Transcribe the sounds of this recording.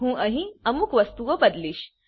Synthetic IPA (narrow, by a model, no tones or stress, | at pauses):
ɦũːʔɐɦĩɐmukʋɐst̪uʋɐbɐd̪liːɕ